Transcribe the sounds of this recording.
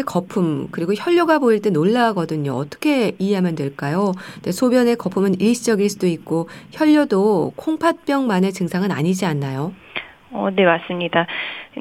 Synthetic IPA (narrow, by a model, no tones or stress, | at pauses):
ekʌpʰumkɯɾiɡoçjʌʎːoɡaboiɭt͈e̞noɭːaaɡʌdɯɲo̰ʌ̰t͈ʌ̥kʰe̞iɦe̞ɦamjʌndweɭk͈ajonesʰobjʌne̞kʌpʰumɯniɭɕʰid͡ʑʌɡiɭs͈udoik̚k͈oçjʌʎːʌdokʰoŋpʰat̚p͈jʌŋmanet͡ɕɯŋsʰaŋɯna̰ɲid͡ʑianːajo | ʌne̞mas͈ɯmɲida